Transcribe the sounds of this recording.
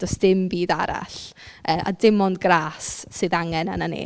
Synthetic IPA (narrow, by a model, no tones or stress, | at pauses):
d̥ɔsd̥ɪmbiːdaɾa̰ɬəːʔa̰dɪmɔndɡraːsːɨːðaŋɛnananḛː